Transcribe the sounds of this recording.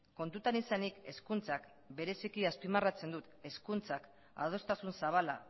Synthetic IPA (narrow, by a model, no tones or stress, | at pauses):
ko̞nt̪ut̪anisanike̞skunt͡sak | be̞ɾe̞sikiaspimarat͡se̞nd̪ut̪e̞skunt͡sak | a̰ð̞o̞st̪asunsaβ̞ala̰